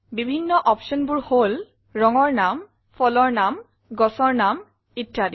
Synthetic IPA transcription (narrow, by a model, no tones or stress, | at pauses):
bibʱinːɔʔɔpʃɔnbuɹhol | ɹɔŋɔɹnam | pʰɔlɔɹnam | ɡɔsɔɹnam | itːadi